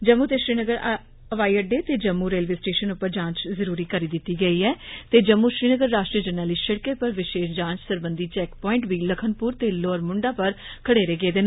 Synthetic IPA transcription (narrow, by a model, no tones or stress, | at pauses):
d͡ʒəmːuːt̪eːʃɾiːnəɡəɾ | əʋaːiːəɖeːt̪eːd͡ʒəmːuːɾeːlʋeːsʈeːʃənʊpːəɾd͡ʒãːɲt͡ʃzəɾuːɾiːkəɾiːd̪ɪt̪ːiːɡəiːɛːt̪eːd͡ʒəmːuːʃɾiːnəɡəɾːaːʃʈɾiːəd͡ʒəɾnəːliʃəɽkeːpəɾʋɪʃeːʃd͡ʒãːnt͡ʃsəɾbənd̪iːt͡ʃɛːkpɔːɪ̃ɳʈʋiːləkʰənpuːɾt̪eːloːɾmʊɳɖaːpəɾkʰəɽeːɾeːɡeːd̪eːn